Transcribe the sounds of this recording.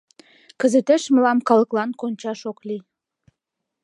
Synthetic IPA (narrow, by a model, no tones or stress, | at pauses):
kəzet̪eʃməlɑmkɑləklɑnkonʲt͡ɕɑʃokli